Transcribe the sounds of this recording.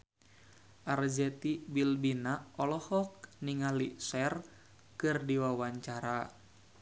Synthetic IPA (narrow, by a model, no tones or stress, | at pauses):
ʔard͡ʒɛt̪ibilbinaɔlɔhɔk̚niŋalisɛr | kɨrdiwawaɲt͡ʃaɾa